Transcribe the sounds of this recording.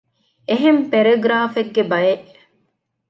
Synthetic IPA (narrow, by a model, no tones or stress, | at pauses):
eɦempeɾeɡɾaːfeɡːebɐjeʔ